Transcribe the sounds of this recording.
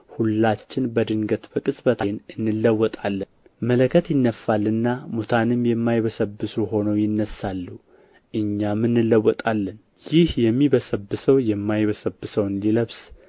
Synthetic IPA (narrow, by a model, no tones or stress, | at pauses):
hulːat͡ʃːɪnbəd̪ɨŋɡət̪bəkʼɨsʼbət̪ʰanɨnːɨlːəwːɔt̪ʼalːən | mələkʰət̪jɪnːəfːalːɨnːamut̪ʰanɨmjɛmːajβəsəbːɨsuɦo̞nəwjɪnːəsalːu | ʔɨɲːamɨnːɨlːəwːɔt̪ʼalːən | jɪhjɛmːiβəsəbːɨsəwjɛmːajβəsəbːɨsəwɨnd̪iləβs